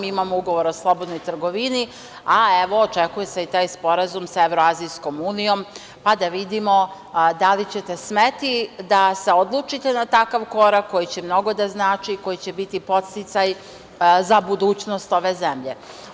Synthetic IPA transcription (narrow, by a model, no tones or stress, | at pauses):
miimamouɡo̞ʋo̞ɾo̞slˠo̞bo̞d̪nojt̪ɾ̩ɡo̞ʋini | aeʋo̞ːt͡ʂe̞kuje̞seit̪aːjspo̞ɾazumsaeʋɾoazijsko̞muːnijo̞m | pad̪aʋid̪imo̞ | d̪alit͡ɕe̞t̪e̞smet̪id̪ase̞od̪lˠut͡ʃit̪enat̪akaʋko̞ɾakʰːo̞jit͡ɕemno̞ɡo̞d̪aznaːt͡ʃiːko̞jit͡ɕe̞bit̪ipo̞t̪st̪it̪saj | zabud̪uːt͡ɕno̞st̪o̞ʋe̞zemʎe̞